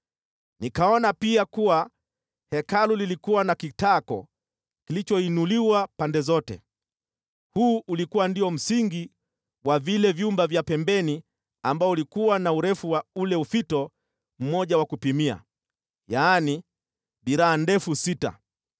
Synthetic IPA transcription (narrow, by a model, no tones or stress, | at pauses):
nikaɔnapiakuwa | hɛkalulilikuwanakitakɔ̰ | kilit͡ʃɔinuliwapandɛzɔtɛ̰ | huːʔulikuwandiɔm̩siŋɡi | wavilɛvjumbavjapɛmbɛni | ambaɔulikuwanauɾɛfuwaulɛufitɔ | m̩mɔʄawakupimia̰ | jaːni | ɓiɾaːndɛfusita̰